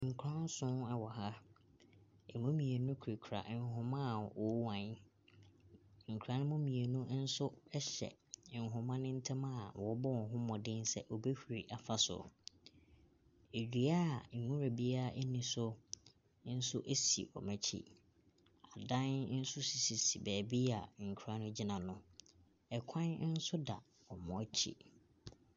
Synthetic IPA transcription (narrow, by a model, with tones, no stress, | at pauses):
ŋ̩˨kʰɾã˦n˦sʊ̃˦nɛ˦wɔ˨ha˦ | e˨mũ˦mĩ˨e˨nʊ̃˦kʰu˨ɾi˨kʰɾa̰˨ʔŋ˨ɦʊ̃˨mã˦˨wɔ˨˦wã˨ɲ˦ | ŋ̩˨kʰɾã˨nɪ̃˦mʊ̃˦mĩ˨e˨nʊ̃˦n̩˦sʊ˦ɛ˦ɕɛ̰˨ŋ̩˨ɦʊ̃˨mã˦nɪ̃˦n̩˦tʰɪ̃˦mã˦˨wɔ˨˦bɔ˦˨ɦʊ̃˦mɔ̃˨dɪ̃˦nsɛ˦ʔɔ˨be˦hu˨ɾi˨ʔa˨fa˦sʊ̰˨ | e˨d͡ʑᶣi˨a˦˨ŋ̩˨ŋũ˦ɾa˨bi˦a˦˨ʔɛ˦nĩ˨sʊ˦ | n̩˦sʊ˦ʔe˦sḭ˨ʔɔ̰˨mæ̃˨t͡ɕʰḭ˦ | a˨dã˦n˦n̩˦sʊ˦si˨si˨si˨bɛː˨bi˦a˨ŋ̩˨kʰɾa˨˦nʊ̃˦d͡ʑi˦nã˨nʊ̃˦ | ɛ˨kʷʰã˦n˦n̩˦sʊ˦da˨ | ɔ˨mɔ̃˨˦˨t͡ɕʰḭ˦